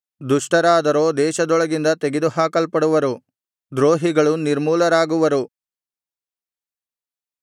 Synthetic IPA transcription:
d̪uʂʈɐɾaːd̪ɐɾo̞ːd̪ɛːʃɐd̪ɔɭɐɡind̪ɐt̪eɡed̪uɦaːkɐlpɐɽuʋɐɾu | d̪ɾoːɦiɡɐɭuniɾmuːlɐɾaːɡuʋɐɾu

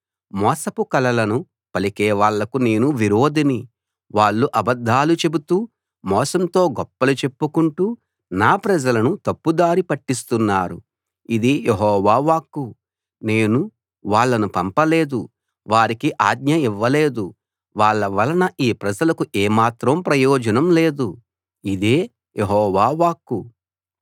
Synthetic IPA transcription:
mɔːsɐpukɐlɐlɐnu | pɐlikɛːʋaːɭːɐkune̞ːnuʋiɾoːd̪ini | ʋaːɭːuʔɐbɐd̪ʱːaːlut͡ʃe̞but̪uː | mɔːsɐmt̪o̞ːɡɔpːɐlut͡ʃe̞pːukuɳʈuː | naːpɾɐd͡ʒɐlɐnut̪ɐpːud̪aːɾipɐʈːist̪unːaːɾṵ | id̪ijeɦɔːʋaːʋaːkːu | ne̞ːnu | ʋaːɭːɐnupɐmpɐle̞ːd̪u | ʋaːɾikiʔaːɡɲɐiʋːɐle̞ːd̪u | ʋaːɭːɐʋɐlɐnɐʔiːpɾɐd͡ʒɐlɐkuʔeːmaːt̪ɾɐmpɾɐjɔːd͡ʒɐnɐmle̞ːd̪u | id̪e̞ː | jeɦɔːʋaːʋaːkːu

